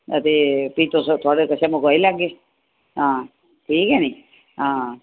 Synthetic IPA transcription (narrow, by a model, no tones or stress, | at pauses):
ət̪eːpiːt̪oːst̪ʰaːɽekət͡ʃʰamõkoːilaːɡeː | ɦãː | ʈʰiːkɛːnĩː | ɦãː